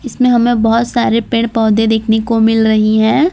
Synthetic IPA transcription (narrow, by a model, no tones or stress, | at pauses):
ɪsmẽɦɐmẽbɐɦʊt̪saːɾepẽɳʈpɔːd̪ẽd̪eːkʰnekomɪlɾɐɦiɦɛ̃ː